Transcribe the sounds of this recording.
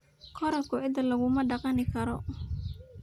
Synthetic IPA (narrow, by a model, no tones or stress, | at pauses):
kʰɔɾɐkʰʊʔɪd̪ɐlɐɣʊmɐɖɑqɑnɪkʰɐɾɔ̰